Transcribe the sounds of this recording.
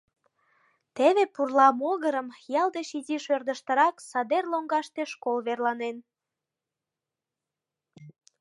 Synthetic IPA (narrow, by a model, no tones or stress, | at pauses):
t̪eβepurlɑmoɣəɾəmjɑlˠd̪eʃiziʃørd̪əʃt̪əɾɑksɑd̪erloŋɡɑʃt̪eʃkolβerlɑnen